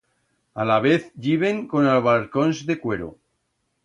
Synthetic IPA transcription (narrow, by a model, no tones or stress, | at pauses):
alaβ̞eθʎiβ̞e̞ŋko̞nalβ̞alkonzðe̞kwe̞ɾo̰